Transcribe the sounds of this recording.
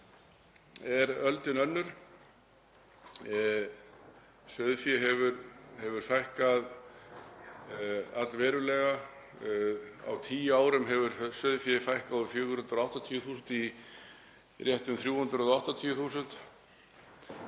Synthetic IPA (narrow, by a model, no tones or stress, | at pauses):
ɛɾœlt̪ɪnœnːʏɾ̥ | sʏðfjɛɦɛvʏɾhɛvʏɾ̥fajhkað | at̪lvɛːɾʏlɛɣa | a̰wt̪ʰiːjaːwɾʏmɦɛvʏɾsʏðfjɛfajhkawðʏfjʏːɣʏɾhʏnt̪ɾaht̪at̪ʰiːjʏθuːsʏnt̪i | rjɛht̪ʏmθɾjuːhʏnt̪ɾʏɔðɔaht̪at̪ʰiːjʏθuːsʏnt̪